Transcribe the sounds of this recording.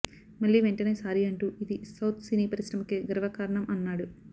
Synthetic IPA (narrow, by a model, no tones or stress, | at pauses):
mɐɭːiːʋeɳʈɐne̞ːsaːɾiɐɳʈuːid̪isɐwt̪ʰsiniːpɐɾiʂɾɐmɐkeːɡɾɐʋɐkaːɾɐɳɐmʔɐnːaːɽu